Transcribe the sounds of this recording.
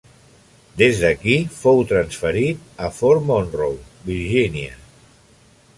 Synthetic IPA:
d̪ezðəkifowt̪ɾənsfəɾit̪̚əfoɾmonrowbiɾʒinjə

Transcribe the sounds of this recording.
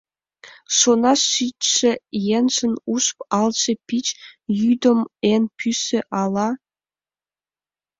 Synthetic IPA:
ʂonɑʂitʂĕjenʲʂɘ̆nuʂpɑlˠt͡ɕĕpʲit͡ɕjyd̪ɤ̆menpʲʰysːĕʔɑlˠɑ

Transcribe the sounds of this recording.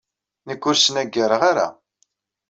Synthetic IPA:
nəkːʊɾsnæɡːəɾəʁaɾa̰

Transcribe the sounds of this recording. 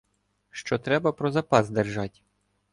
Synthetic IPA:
ʃt͡ʃɔt̪ɾɛbɐpɾɔzɐpɑzd̪erʒɑtʲ

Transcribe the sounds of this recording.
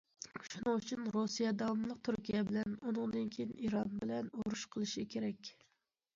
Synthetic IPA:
ʃunɨŋut͡ʃʰynɾusijɛd̪ɑwmlˠəq̚t̪ʰuɾkʲijɛbɪlɛnunɨŋd̪ɨnkʲʰejinʔiɾɑnbɪlɛnoɾuʃqʰəlˠɨʃikʲʰeɾɛkʲ

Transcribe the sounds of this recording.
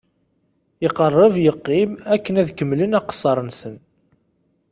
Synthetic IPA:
jəqərˤːəvjəqːimækːənæðkəmːlənæqə̥sˤːɑɾˤənsən

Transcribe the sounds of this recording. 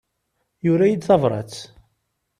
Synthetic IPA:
jʊɾæjid̪θɑvɾˤɑ̰t͡sː

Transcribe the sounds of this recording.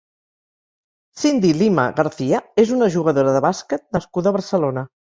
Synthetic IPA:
sind̪ilimə̰ɣəɾθiəezunəʒuɣ̞əðoɾəðəβaskət̪̚nəskuðəβəɾsəlonə

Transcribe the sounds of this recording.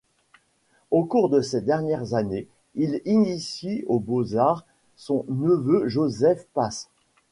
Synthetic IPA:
okuʁd̪əsed̪ɛʁnjɛʁzane | ilinisiobozaʁ | sɔ̃nəvøʒozɛfpas

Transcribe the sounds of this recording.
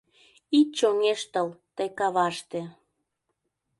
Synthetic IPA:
it̪̚t͡ɕoŋeʃt̪əlt̪əjkɑβɑʃt̪ĕ

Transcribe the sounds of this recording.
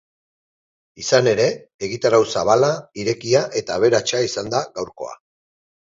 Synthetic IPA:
isane̞ɾe̞eɣit̪aɾawsaβ̞alaiɾe̞kiaʔe̞t̪aːβ̞e̞ɾat͡ʃaisand̪aɣawɾko̞̰a̰

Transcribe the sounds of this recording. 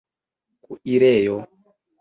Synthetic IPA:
kuiɾɛjɔ

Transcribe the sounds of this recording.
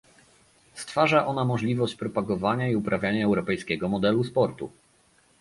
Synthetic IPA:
st̪faʐaʔɔnamɔʐlʲivɔɕt͡ɕpɾɔpaɡɔvaɲaiupɾavʲjaɲaɛwɾɔpɛjskʲɛɡɔmɔd̪ɛluspɔɾt̪ṵ

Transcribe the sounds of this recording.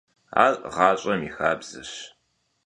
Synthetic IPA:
a̰ːrʁɑːɕʼɐmixaːbz̥ɨ̰ɕ

